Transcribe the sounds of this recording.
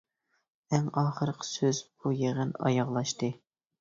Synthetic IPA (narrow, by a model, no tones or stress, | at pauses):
æŋɑːχəɾəqʰə̥søz̥b̥ujeʁɨnɑ̰jɑʁlˠɑʃt̪ɨ